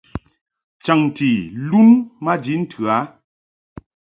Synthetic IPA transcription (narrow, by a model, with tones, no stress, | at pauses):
t͡ʃa˨ŋ˨ti˨lu˦nma˦di˨˦n̩˦tʰʉ˨a˨˦